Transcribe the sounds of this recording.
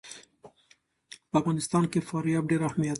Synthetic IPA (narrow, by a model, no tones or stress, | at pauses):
pəafɣɑnɪst̪ɑnkefɑɾjɑːb̚ɖeɾahmijat̪